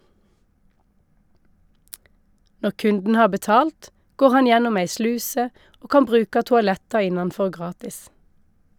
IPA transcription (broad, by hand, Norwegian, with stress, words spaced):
ˈnɔʁ ˈkʉndn̩ ˈhɑːʁ bəˈtɑːlt ˈɡoːʁ ˈhɑn ˈjɛnʊm ˈæɪ ˈslʉːsə ˈoː ˈkɑm ˈbʁʉːkɑ tʊɑˈlɛtɑ ˈɪnɑnˌfɔʁ ˈɡʁɑːtɪs